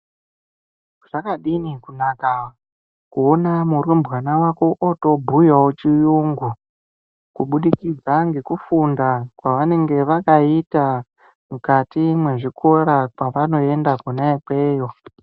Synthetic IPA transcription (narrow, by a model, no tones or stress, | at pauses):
ʐ̥akaɗinikunaka | kuonamurwembʱɣanawako̞ʔoto̞bʱujawot͡ʃijuŋɡu | kuɓuɗikid͡zaŋɡe̞kufundakwaʋane̞ŋɡe̞ʋakaita | mukatimwe̞ʐikʰo̞ɾakwaʋano̞e̞ndakunaikweːjo